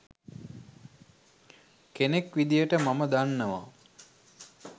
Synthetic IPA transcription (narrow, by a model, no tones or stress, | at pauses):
kenekʋid̪ijəʈəmaməd̪anːəʋa̰